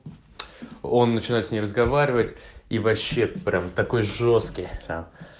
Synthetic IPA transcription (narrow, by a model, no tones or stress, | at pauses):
o̞nːət͡ɕɪnajɪt̪sʲnʲemrəzɡɐvaɾʲɪvətʲivɐɕːe̞pɾʲʔamt̪ɐko̞jʐo̞st̪kʲɪjt̪am